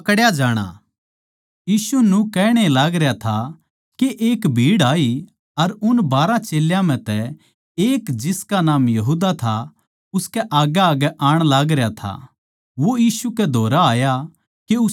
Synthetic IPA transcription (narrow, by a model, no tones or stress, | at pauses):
ɐkɽjad͡ʒaːɽ̃a̰ | jiːsunũkɛːɽ̃elaːɡɾjat̪ʰa | keʔeːkbʱiːɽaːi | ɐɾʊnbaːɾãt͡ʃeːljãm̤ɛ̃t̪ɛ | eːkd͡ʒɪskanaːmjɐɦuːd̪at̪ʰa | ʊskɛʔaːɡaaːɡɛʔaːɽ̃laːɡɾjat̪ʰa̰ | ʋojiːsukɛd̪ʱoːɾaaːja | keʊ